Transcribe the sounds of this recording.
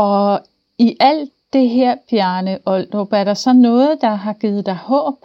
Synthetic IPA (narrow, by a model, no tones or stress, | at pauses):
ɒ̽ | iʔæl̰̥ | d̥e̝ɦeɐ̰b̥jæɐnəʔɒld̥ob̥æɐɾ̥ɑ̈sɒ̽nɔ̽ːð̩ˠd̥ɑ̈ɦɑ̈ɡ̥iːð̩ˠd̥ɑ̈ɪhɔ̰ːb̥